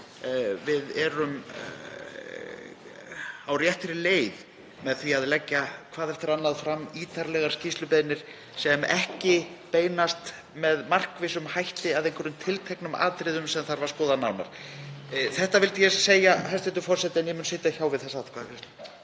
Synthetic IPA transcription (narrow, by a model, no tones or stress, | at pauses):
vɪðɛɾʏm | awrjɛht̪ɪɾɪleːjð | mɛðθviaðlɛcːakʰvaːðɛft̪ɪɾanːaðfɾamːiːt̪ʰaɾlɛɣaɾ̥scist̪lʏpɛðnɪɾ̥ | sɛmɛhcɪpeːjnast̪ | mɛðmar̥kvɪsʏmhajht̪ɪaðejŋkʰvœɾʏmt̪ʰɪlt̪ʰɛjknʏma̰ːðt̪ɾɪðʏmsɛmθaɾvaɾskɔːðanaːwna̰ɾ̥ | θɛht̪avɪlt̪jɛseːjahajst̪ɛnt̪ʏfɔr̥sɛt̪ɪɛnjɛmʏnsɪːt̪açawvɪðθɛsaaðkʰvaːðvɪs